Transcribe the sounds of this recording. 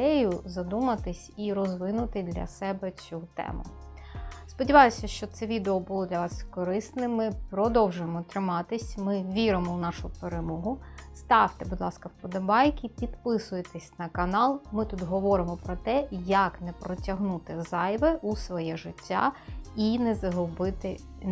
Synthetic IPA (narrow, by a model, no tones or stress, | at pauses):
d̪ɛjʊzɐd̪umɐt̪ɪsʲiɾɔzʋɪnʊt̪ɪd̪lʲɐ̰sɛbɛt͡sʲut̪ɛ̰mʊ̰ | spɔdʲiʋɑjʊsʲɐʃt͡ʃɔt̪sɛʋʲid̪eɔbʊlˠɔd̪lʲɐʋɑskɔɾɪsnɪmɪpɾɔd̪ɔwʒʊjemɔt̪ɾɪmɑt̪ɪsʲmɪʋʲiɾɪmɔwnɑʃʊpeɾemɔɦʊst̪ɑwt̪ebud̪lˠɑskɐwpɔd̪ɐbɑjkʲipʲid̪pɪsʊjet̪esʲnɐkɐnɑlˠmɪt̪ut̪ɦɔʋɔɾɪmɔpɾɔt̪ɛjɐknɛpɾɔtʲɐɦnut̪ɪzɑjʋɛʔusʋɔjɛʒɪtʲːa̰inɛzɐɦʊbɪt̪ɪ